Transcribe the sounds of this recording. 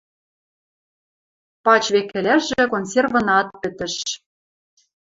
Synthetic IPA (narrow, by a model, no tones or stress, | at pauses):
pɑt͡ɕβekːɘ̆læʒʒĕkonsʲervɤ̆nɑt̪̚pɘ̆t̪ɘ̆ʃ